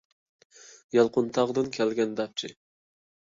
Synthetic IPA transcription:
jɑlˠqʊnt̪ʰɑʁd̪ɨnkʲʰɛlɡʲɛnd̪ɑp̚t͡ʃʰɪ

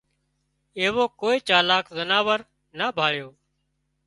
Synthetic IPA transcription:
eːʋoːkoːiːt͡ʃaːlaːkzənaːʋəɾ | naːbʱaːɭjoː

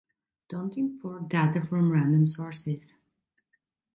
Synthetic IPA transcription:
d̥õntɪ̃nfɔɹdatəfɹɔ̃mɹæ̃ndə̃msɔɹsɪz̥

